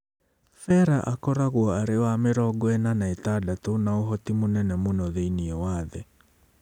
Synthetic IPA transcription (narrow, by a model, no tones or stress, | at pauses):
fɛɾaʔakɔɾaɣwɔaɾewameɾɔɡɔɛnanaetaːdatonaoɦɔtimonɛnɛmonɔðeiniɔwaːðɛ